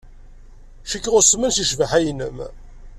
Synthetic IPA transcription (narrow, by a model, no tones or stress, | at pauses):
ʃəkːʁʊsmənsiʃvəħæjnə̰m